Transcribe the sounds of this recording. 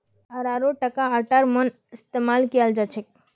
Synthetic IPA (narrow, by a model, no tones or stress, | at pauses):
əɾaɾoʈəkaəʈəɾmən | ɪst̪emalkijəld͡ʒat͡ʃʰek̚